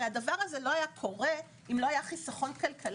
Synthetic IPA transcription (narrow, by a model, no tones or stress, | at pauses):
eadavaʁazeloajakʰo̞ʁe̞ | imlo̞ajaχisaχo̞nkalkʰal